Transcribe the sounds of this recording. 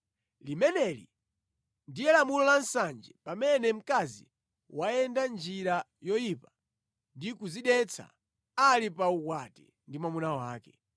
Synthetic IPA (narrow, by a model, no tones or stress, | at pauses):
limɛnɛlḭ | ndijɛlamulɔlansand͡ʒɛpamɛnɛm̩kazḭ | waɛndand͡ʒiɾa | jɔjipa | ndikuziɗɛt͡sʰa̰ | alipaukwatɛ̰ | ndimamunawaːkɛ